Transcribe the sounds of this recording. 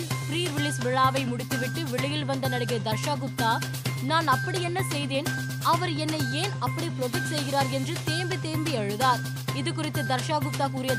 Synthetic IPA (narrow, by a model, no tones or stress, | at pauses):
fɾiːɾʋɪɭɪsʋɪɭaːʋɐɪmʊɽɪt̪ːɯʋɪʈːɯʋɪɭɪjɪlʋɐnd̪ɐnɐɽɯɣɐd̪ɐɾʂaːɣɯp̚t̪aː | naːnɐpːɐɽiɛnːɐsɛjðeːn | ɐʋɐɾɛnːɐeːnɐpːɐɽipɪɾɔfɪʈsɛjɣɪraːɾɛndrɯt̪eːmbit̪eːɾmbiɐɻɯðaːɾ | ɪðɯkʊrɪt̪ːɯd̪ɐɾʂaːɣɯp̚t̪aːkuːɾɪjɐ